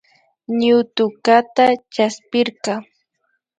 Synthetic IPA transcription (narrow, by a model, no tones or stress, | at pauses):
ɲʊt̪ʊkat̪at͡ʃaspɪɾqɑ